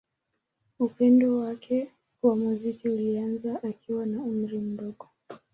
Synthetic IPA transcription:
upɛndɔwakʰɛ | wamuzikiulianzaʔakʰiwanaum̩ɾim̩bɔɡɔ

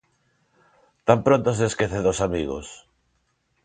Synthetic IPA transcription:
t̪ampɾont̪ozðeskeθeðosamiɣo̰s

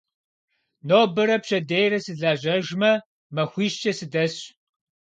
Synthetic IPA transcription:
noːbɨɾɐpɕɐdejrɐsɨɮaːʑɐʒmɐ | mɐxʷiːʃt͡ʃʼɐsɨdɐɕ

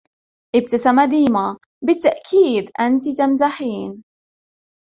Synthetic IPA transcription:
ʔɪb̚t̪asamad̪iːma | bɪt̪ːaʔkʰiːd̪ʔant̪it̪amzaħiːn

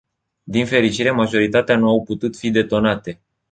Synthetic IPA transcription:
d̪infe̞ɾit͡ʃiɾe̞maʒo̞ɾit̪at̪eanuawput̪ut̪fid̪e̞t̪o̞nat̪e̞

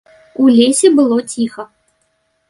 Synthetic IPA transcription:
ulʲesʲɛbɨlˠɔt͡sʲixɐ

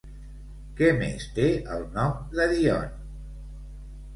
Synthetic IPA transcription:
kɛmḛst̪eəlˠnɔmd̪əðiɔ̰n

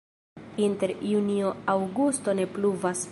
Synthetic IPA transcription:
inte̞ɾjunioawɡusto̞ne̞pluvas

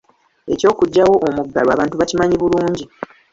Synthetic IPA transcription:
e̞̰co̞ːkuɟːawo̞ʔomuɡːalwa̰βaːntuβacimaɲiβuluːɲɟi

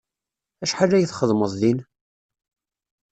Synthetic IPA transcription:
æʃħalːæjəθχəðˤməðˤðin

